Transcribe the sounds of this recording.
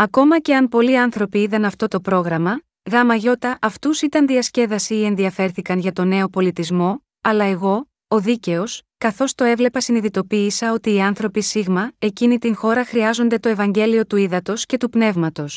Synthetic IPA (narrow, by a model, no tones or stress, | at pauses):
ɐko̞mɐce̞ɐmpo̞liɐnθɾo̞piiðɐnɐft̪o̞t̪o̞pɾo̞ɣɾɐmɐ | ɣɐmɐʝo̞t̪ɐʔɐft̪usit̪ɐnðiɐsce̞vɐsiːe̞nðiɐfe̞ɾθikɐnʝɐt̪o̞ne̞o̞po̞lit̪izmo̞ | ɐlɐe̞ɣo̞ | oðice̞o̞skɐθo̞st̪o̞e̞vle̞pɐsiniðit̪o̞piːsɐo̞t̪iːɐnθɾo̞pisiɣmɐe̞cinit̪iŋxo̞ɾɐxɾiɐzo̞nd̪e̞t̪o̞e̞vɐɲɟe̞lio̞t̪uiðɐt̪o̞sce̞t̪upne̞vmɐt̪o̞s